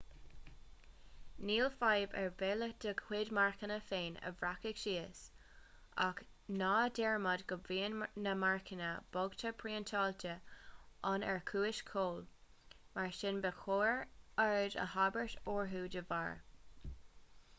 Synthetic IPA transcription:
niːlfajbɛɹveːləd̪̥əkʰwɪdmaɹkənəfeːnə̰vɹakɪɡʃiːəs | a̰k | nɑːdɛɹmadɡəviːənnəmaɹkʰənəb̥ɔɡt̪ʰəpʰɹiːənt̪ʰɑːlt̪ʰəʔanɛ̰ɹkʰuːɪʃkʰoːl | maɹʃɪnbəxʰoːɹaɹədə̰habəɹtoːɹɦuːdəva̰ːɹ

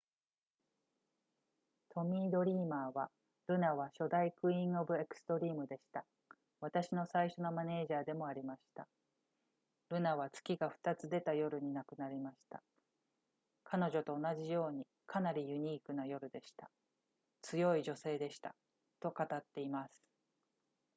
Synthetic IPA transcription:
t̪ʰo̞mʲiːd̪o̞ɾʲiːmaːβa | ɾɯ̟naβ̞aɕo̞d̪aikɯ̟ĩɰ̃o̞bɯ̟e̞kɯ̟̥st̪o̞ɾʲiːmɯ̟d̪e̞ɕi̥t̪a | βat̪aɕino̞saiɕo̞no̞mane̞ːʑaːd̪e̞mo̞aɾʲimaɕi̥t̪a̰ | ɾɯ̟naβ̞at͡sɨ̥kʲiɡaɸɯ̟̥t̪at͡sɨd̪e̞t̪ajo̞ɾɯ̟ɲ̟inakɯ̟naɾʲimaɕi̥t̪a | kʰano̞ʑo̞t̪o̞ːnaʑijo̞ːɲ̟i | kʰanaɾʲijɯ̟ɲ̟iːkɯ̟najo̞ɾɯ̟d̪e̞ɕi̥t̪a | t͡sɨjo̞iʑo̞se̞ːd̪e̞ɕi̥t̪a̰ | t̪o̞kat̪at̪ːe̞imasɨ̥

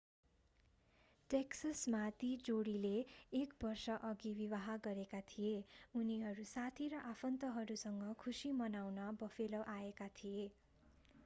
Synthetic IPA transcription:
ʈeksʌsmat̪id͡zoɽileːkbʌrsʌʔʌɡibiwaɦaɡʌɾekat̪ʰijeuniɦʌɾusat̪ʰiɾʌʔapʰʌnt̪ʌɦʌɾusʌŋɡʌkʰusimʌnawnʌbʌfʰelʌʔaekat̪ʰije

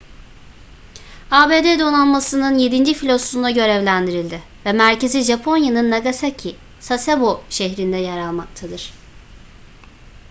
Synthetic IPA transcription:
aːbe̞d̪eːd̪o̞nanmasɯnɯnjed̪ind͡ʒifilʲo̞sund̪aɟø̞ɾɛvlʲænd̪iɾilʲd̪ɪ | vɛmæɾce̞ziʒapʰo̞njanɯnːaɡasacʰi | saseboʃɛçɾind̪ɛjaɾalˠmak̚t̪ʰad̪ɯɾ̥

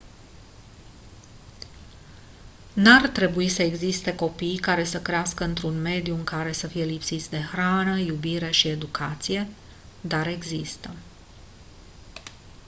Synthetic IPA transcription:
nart̪ɾe̞buisəe̞ɡzist̪e̞ko̞pijkaɾe̞səkɾeaskəɨnt̪ɾunme̞d̪juɨŋkaɾe̞səfije̞lipsit̪sʲd̪e̞xɾanəjubiɾe̞ʃie̞d̪ukʰat̪sije̞ | d̪aɾe̞ɡzist̪ə

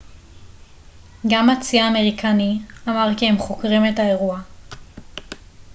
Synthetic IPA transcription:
ɡamat͡siaːme̞ʁikʰaniamaʁkiemχokʁimethae̞ʁua

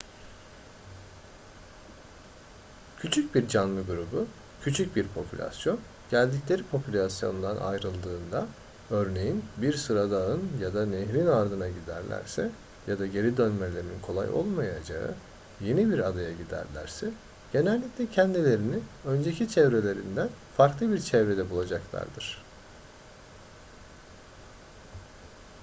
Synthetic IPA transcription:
cʰyt͡ʃʰyc̚biɾd͡ʒanlˠɯɡuɾubu | cʰyt͡ʃʰyc̚biɾpʰo̞pʰylʲa̰sjo̞n | ɟ̥ælʲd̪iclʲe̞ɾipʰo̞pʰylʲasjo̞̰nd̪anʔa̰jɾɯlˠd̪ɯːnd̪a | ø̞ɾne̞jinbiɾsɯɾad̪aɯnjad̪aneɦɾinaɾd̪ɯnaɟid̪æ̰ɾlʲæ̰ɾsɛ | jad̪aɟe̞ɾid̪ø̞nmelʲe̞ɾimninkʰo̞lˠa̰jʔo̞̰lˠmajad͡ʒa̰ɯ̰ | je̞nibiɾad̪ajaɟid̪æ̰ɾlʲæ̰ɾsɛ | ɟ̥e̞nælʲːiclʲɛcʰɛnd̪ilʲe̞ɾiniø̞nd͡ʒe̞cʰit͡ʃʰɛvɾe̞lʲe̞ɾind̪ænfaɾklˠɯbiɾt͡ʃʰɛvɾe̞d̪ɛbulˠad͡ʒaklˠa̰ɾd̪ɯɾ̝̥

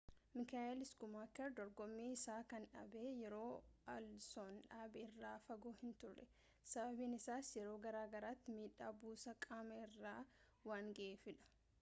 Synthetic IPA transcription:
mɪkaːʔɛlɪskʊmaːkɛɾd̪ɔɾɡɔmːiːɪsaːkɐnᶑɐ̰beːjɛɾo̞ːɐlsoːnᶑaːbɛɪrːaːfɐɡoːhɪnt̪ʊrːɛ̰ | sɐbɐbiːnɪsaːsjɛɾo̞ːɡɐɾaːɡɐɾaːt̪ːɪmiːᶑːaːbuːsɐkʼaːmɐɪrːaː | waːŋɡɐeːfɪᶑɐ̥

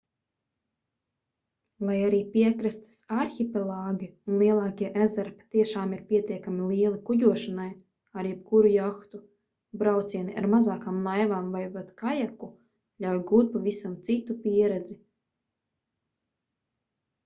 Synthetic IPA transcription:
lˠajaɾiːpʲiɛkɾast̪i̥saɾxʲipʲɛlˠaːɡiunlˠiɛlˠɑːkʲiɛʔæzaɾpḁt̪iɛʃaːmiɾpʲiɛt̪ʲiɛkamʲilˠiɛlˠikuɟuɔʃanaj | aɾjɛp̚kuɾujaxt̪u | bɾawt̪siɛniʔa̰ɾmazaːkaːmnˠajvaːmvajpat̪kajaku | lʲawjɡuːt̪̚pavisamt̪sit̪upʲiɛɾɛd̪zi

